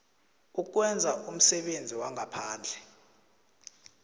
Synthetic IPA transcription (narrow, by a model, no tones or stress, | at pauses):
uk̬wɛnd͡zʱaʔum̩sɛɓend͡zʱiwaŋʱapʰaːnd͡ɮʱɛ